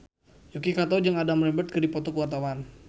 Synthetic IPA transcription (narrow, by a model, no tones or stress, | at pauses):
jukikat̪od͡ʒaŋadamɾɛmbət̪̚kədipɔt̪ɔkəwart̪awan